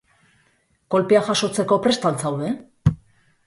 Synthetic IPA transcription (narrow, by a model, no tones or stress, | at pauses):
ko̞lpeaʝaso̞t͡se̞ko̞pɾe̞st̪ant͡sawðe̞